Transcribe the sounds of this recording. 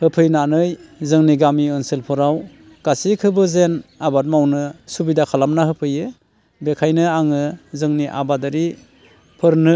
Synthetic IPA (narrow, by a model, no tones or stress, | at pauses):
hɯpʰɯjnanɯjzɯŋniɡamiɯnsɯlpʰɔɾaw | ɡ̥asikʰɯbɯzenabat̚mawnɯsubidakʰalamnaɦɯpʰɯjɯ | bekʰajnɯaŋɯzɯŋniʔa̰badaɾi | pʰɯɾnɯ